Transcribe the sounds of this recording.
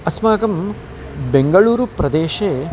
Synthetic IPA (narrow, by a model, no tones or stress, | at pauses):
ɐsmaːɡɐm | beŋɡɐɭuːɾupɾɐd̪eːʃeː